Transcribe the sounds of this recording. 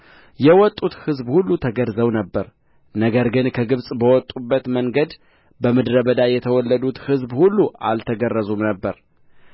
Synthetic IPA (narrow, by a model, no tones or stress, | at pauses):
jɛwɔt̪ʼːut̪hɨzbhulːut̪ʰəɡədzəwnəbːəɾ | nəɡəɾɡɨnkʰəɡɨβsʼbəwɔt̪ʼːubːət̪məŋɡəd̪ | bəmɨd̪ɾəbəd̪ajɛt̪ʰəwɔlːəd̪ut̪hɨzbhulːuʔa̰lt̪ʰəɡərːəzumnəbːəɾ